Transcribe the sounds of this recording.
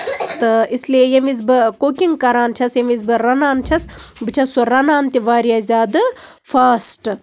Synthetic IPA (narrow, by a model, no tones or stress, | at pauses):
t̪ɨisliejɐmiz̬bɨkoːkʲiŋɡkɐɾaːnt͡ʃʲʰɐsjɐmiz̬bɨɾɐnaːnt͡ʃʲʰɐsbɨt͡ʃʲʰɐsoɾɐnaːnt̪iʋaːɾijaːzʲaːd̪ɨ | faːsʈ